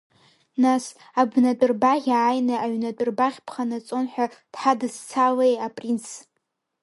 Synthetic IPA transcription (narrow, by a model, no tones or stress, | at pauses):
nas | abnatʼʊrbaʁʲaːjnɨaɥnat͡pʷʼʊrbaχʲpʰχanat͡sʼonħʷᶣad̥ħadɨzt͡sʰalejapʼrinsʰ